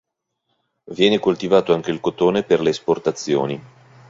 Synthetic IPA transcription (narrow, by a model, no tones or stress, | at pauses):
vjɛːnekolt̪ivaːt̪oaŋk̟eilkot̪oːneperleːsport̪at̪sːjo̰ːni